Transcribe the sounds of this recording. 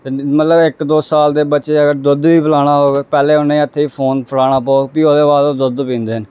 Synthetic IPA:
emət̪ləbɪkd̪oːsaːld̪eːbəːt͡ʃeːəɡəɾd̪ʊd̪ʋiːpʰəlaːɽ̃aːɦoːɡpɛːleːʊnːẽiːət̪ʰːeːiːpʰoːnpʰəlaːɽ̃aːpɔːpiːoːd̪eːʋaːd̪oːd̪ʊd̪pĩːnd̪eːən

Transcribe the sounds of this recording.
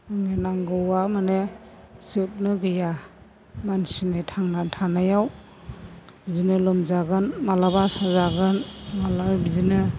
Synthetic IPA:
ɯŋenaŋɡɯwamanesɯp̚nɯɡɯja | mansinetʰaŋnatʰanajaw | zinɯlɔmzaɡɯnmalabasazaɡɯnmalaɾbizinɯ

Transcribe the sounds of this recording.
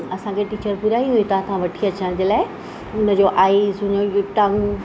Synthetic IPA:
ɐsãkʰeʈiːt͡ɕəɾpʊɾaːiɦũĩt̪ɐãt̪ʰãʋɐʈʰiɐt͡ɕəɽ̃d͡ʑeːlaːɪ | ʊnə̆d͡ʑoʔaːisʊ̃ɲojʊʈãŋɡ

